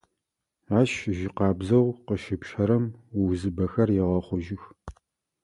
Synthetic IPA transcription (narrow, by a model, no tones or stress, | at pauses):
ʕaʃʒɪqɑːbzɐwqəʃɪpʃʰɐɾɐmwwzɨbɐxɐrjɪʁɐχʷʊʒɪx